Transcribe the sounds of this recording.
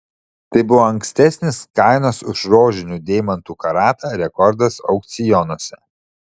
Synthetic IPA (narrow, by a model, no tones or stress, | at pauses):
t̪ɐɪbʊʋoːɐŋksʲt̪ʲɛsʲnʲɪskɑɪnosʊʃɾoːʒʲɪnʲuːˑd̪ʲeːmɐnt̪uːkɐɾɑːt̪ɑːɾʲɛkɔɾd̪ɐsɒ̰ʊk̚t̪sʲɪjɔnoːsʲɛ